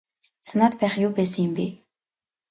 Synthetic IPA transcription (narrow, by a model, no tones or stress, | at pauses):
sʰanat̪pæːχjʊːpæːs̬ə̆ŋjə̆mpi